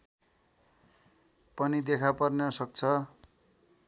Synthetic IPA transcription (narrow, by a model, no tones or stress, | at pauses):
pʌnid̪ekʰapʌrnʌsʌk̚t͡sʰʌ